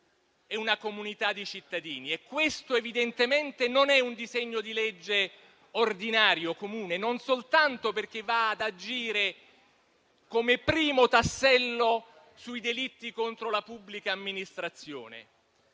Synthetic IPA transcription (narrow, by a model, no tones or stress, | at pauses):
ɛunakomunit̪ad̪ːit͡ʃit̪ːad̪iːniɛkːwest̪oevid̪ent̪ement̪enonɛund̪izɛɲːod̪ilɛd͡ʒːe | ord̪inaːɾjokomuːnenonsolt̪ant̪operk̟evːaːd̪ad͡ʒiːɾe | komepɾiːmot̪asːɛlːo | suid̪elit̪ːikont̪ɾolapubːlikaːmːinist̪ɾat̪sːjo̰ːnḛ